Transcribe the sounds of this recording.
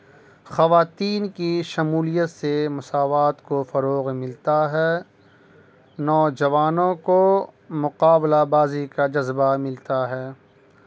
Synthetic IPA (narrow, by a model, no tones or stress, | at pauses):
xɐʋaːt̪iːnkiʃɐmuːlijət̪semʊsaːʋaːt̪kofɐɾoːɣmɪlt̪aɦɛː | nɔːd͡ʒɐʋaːnõko | mʊqaːblabaːzikad͡ʒɐzbamɪlt̪aɦɛː